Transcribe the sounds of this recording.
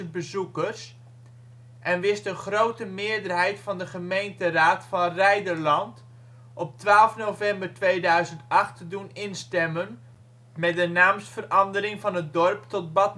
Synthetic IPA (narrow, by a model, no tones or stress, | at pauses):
n̚bəzukərs | ʔɛnʋɪstəχrowtəmɪəɹdərɦɛjtfɑndəχəmejntəraːtfɑnrɛjdərlɑnt | ʔɔp̚tʋaːlˠfnowvɛmbərtʋejdœɥzəntɑχtdunɪnstɛmən | mɛt̚dənaːmsfərɑndəɾɪŋvɑnət̚dɔrptɔt̚bɑt